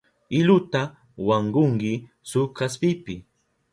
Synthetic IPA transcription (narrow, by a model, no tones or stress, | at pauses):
ɪlʊt̪a | waɴɢʊŋɢɪ | sʊkaspɪpɪ